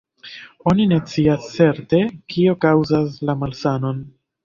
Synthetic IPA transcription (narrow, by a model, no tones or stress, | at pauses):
o̞nine̞t͡siast͡se̞ɾte̞kio̞kawzaslamalsano̞n